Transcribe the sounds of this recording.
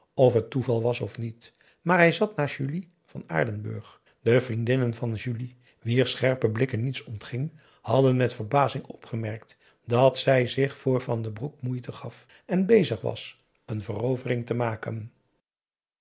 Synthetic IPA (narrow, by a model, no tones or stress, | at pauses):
ɔfɦətuvɑlˠʋɑsɔfnit | maːɹɦɛjzɑtnaːʒyli | v̥ɑna̰ːɹdənbɵ̰ɹχ | dəvrindɪnənvɑnʒyli | ʋiːɹsχɛɹpəblɪkənːitsɔntχɪŋ | hɑdənmɛtfəɹbaːzɪŋɔpχəmɛɹk̚t | dɑtsɛjzɪχfʊːɹvɑndəbruk̚mujtəχɑf | ɛnbejzəχʋɑ̰s | ənvərowvərɪŋtəmaːkə̰n